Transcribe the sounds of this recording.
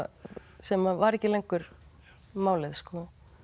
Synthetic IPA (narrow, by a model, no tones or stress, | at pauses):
sɛmavaɾɛhcɪlejŋkʏɾ̥ | maːwlɪðskɔ